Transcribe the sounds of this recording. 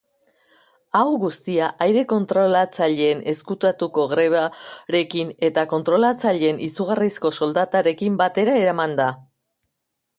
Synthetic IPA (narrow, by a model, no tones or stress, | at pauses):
awɣust̪iaʔajɾe̞ko̞nt̪ɾo̞lat͡saʎeːne̞skut̪at̪uko̞ɣɾe̞βaɾe̞kine̞t̪ako̞nt̪ɾo̞lat͡saʎe̞ːnʔisuɣarisko̞so̞ld̪at̪aɾe̞kimbat̪e̞ɾae̞ɾamand̪a